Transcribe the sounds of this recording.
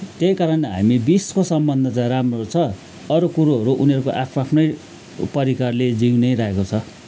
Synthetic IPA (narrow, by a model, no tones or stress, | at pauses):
t̪jʌjkaɾʌnɦa̰mibiskosʌmbʌnd̪ʱʌt͡sãj̃ramrot͡sʰʌ | ʌɾokuɾuɦʌɾuʔuniʌɾukoʔapʰoapʰnʌj | pʌɾikarled͡ziŋnʌjɾaekot͡sʰʌ